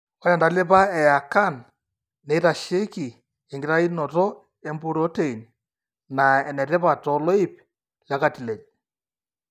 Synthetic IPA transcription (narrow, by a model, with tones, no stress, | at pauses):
ɔ˦ja˨nda˨le˦pa˦ɛ˨ja˨ka˦˨nː | e˨˦ta˨ʃe˦ki˨ | ɛ˨ŋɡɪ˨ɾa˦i˦nɔ˨tɔ˦ | e˨˦mbu˦ɾo˦te˨i˨n | na˨ɛ˨nɛ˨ɾe˦pa˨tɔ˨lɔ˦i˦p | la˦ka˦˨ti˨le˨d͡ʒ